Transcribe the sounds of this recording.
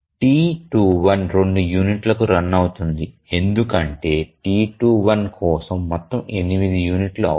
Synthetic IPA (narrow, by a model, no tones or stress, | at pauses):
ʈiːʈuːʋɐnɾo̞ɳɖujuːniʈlɐkuɾɐnːɐwut̪und̪i | e̞nd̪ukɐɳʈe̞ːʈiːʈuːʋɐnkʰɔːsɐmːɔt̪ːɐme̞nimid̪ijuːniʈluɐ̰